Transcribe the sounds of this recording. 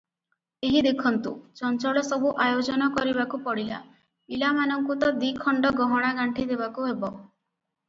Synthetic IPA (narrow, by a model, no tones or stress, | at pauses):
eɦid̪ekʰɔnt̪ṵt͡ʃɔnt͡ʃɔɭɔsɔbuʔajod͡ʒɔnɔkɔɾibakupɔɽila̰ | milamanɔŋkut̪ɔd̪ikʰɔɳɖɔɡɔɦɔɽ̃aɡaɳʈʰid̪eβakuɦebɔ